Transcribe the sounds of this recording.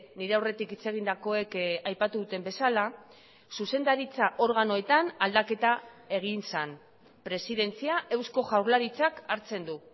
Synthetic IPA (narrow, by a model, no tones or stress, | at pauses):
niɾe̞awre̞t̪ikit͡se̞ɣ̞ind̪ako̞e̞kajpat̪uðut̪e̞mbe̞sala | suse̞nd̪aɾit͡saʔo̞ɾɣano̞e̞t̪anald̪ake̞t̪ae̞ɣ̞insan | pɾe̞siðe̞nt͡siaʔe̞wsko̞ʝawɾlaɾit͡sakaɾt͡se̞nd̪u